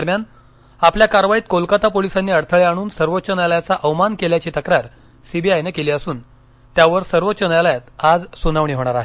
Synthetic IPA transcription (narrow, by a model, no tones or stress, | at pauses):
d̪əɾmjan | apljakaɾʋajiːt̪̚kolkat̪apolisanːiːəɽt̪ʰəɭeaɽ̃uːnsəɾʋot̪ːt͡ɕənaljat͡saʔəʋmankeljat͡ɕiːt̪əkɾaɾ | sibiajnekeliːəsuːn | t̪jaʋəɾsəɾʋotːt͡ɕənjalajat̪ad͡zsunaʋɳ̃iːɦoɽ̃aɾaɦe